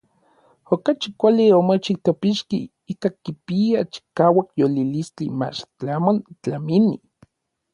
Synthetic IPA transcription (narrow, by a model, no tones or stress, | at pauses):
okat͡ʃikʷaliomot͡ʃik̚t̪opiʃkḭ | ikakipiat͡ʃi̥kaːwakjolilist͡ɬḭma̰t͡ʃt͡ɬamont͡ɬamini